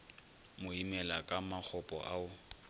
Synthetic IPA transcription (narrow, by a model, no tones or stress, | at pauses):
mʊimɛlakʼamak͡xʰɔpʼɔ̰ʔaʊ